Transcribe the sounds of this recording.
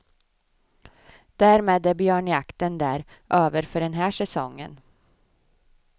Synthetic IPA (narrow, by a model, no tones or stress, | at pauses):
d̪̥æːɾmeːd̪æɾbjøːɳjakt̪ənd̪æːɾ | ʔøːvəɾfœɖɛnɦæːʂɛsɔ̰ŋːə̰n